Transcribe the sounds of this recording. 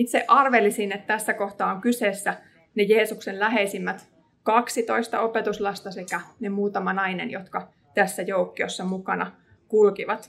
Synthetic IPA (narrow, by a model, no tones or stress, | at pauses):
it̪seʔɑrʋelisinet̪t̪æsːækoht̪ɑːoŋkyseːsːæ | nejeːsuksellæɦeisimːæt̪ | kɑksit̪oist̪ɑ̰opet̪uslɑst̪ɑsekænemuːt̪ɑmɑnɑinḛnjot̪kɑ | t̪æsːæjoukːio̰sːɑmukɑnɑ | kulkiʋɑt̪